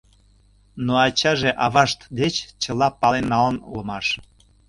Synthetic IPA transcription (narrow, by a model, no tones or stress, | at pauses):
noɑt͡ɕɑʒeʔɑβɑʃt̪d̪et͡ɕt͡ɕəlɑpɑlenːɑlənṵlmɑʃ